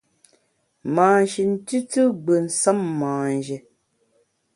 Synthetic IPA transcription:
maː˨n˨ʃi˨n̩˦ti˦tɨ˦ɡ͡bə˨n̩˨sa˦mːaː˨n˨d͡ʒe˨

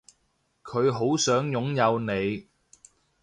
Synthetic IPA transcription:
kʰɵ˨˧ɥɦo˨˥wsœː˨˥ŋjʊ˨˥ŋjɐ˨˧wne˨˧j

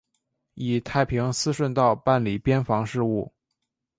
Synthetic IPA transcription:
i˨˩t̪ʰa˥˩ɪpʰi˧˥ŋsɹ̩˥ʂwə˥˧nt̪ɑ˥˧ʊpa˥˩nli˨˩pjɛ˥nfɑ˧˥ŋʂɻ̩˥˧u˥˩

